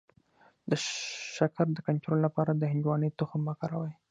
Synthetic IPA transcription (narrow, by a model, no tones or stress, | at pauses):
d̪əʃakaɾd̪əkant̪ɾollapɑɾad̪əhɪnd͡ʒwɑnəjt̪ʊxəmːakaɾawaj